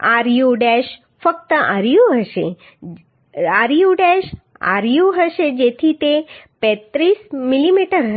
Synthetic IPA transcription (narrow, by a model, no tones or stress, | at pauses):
aɾjuɖeʃ | fək̚t̪əaɾjũɦəʃe | aɾjuɖeʃ | a̰ɾjuɦəʃed͡ʒet̪ʰit̪epɛ̃t̪ɾismilimiʈəɾɦə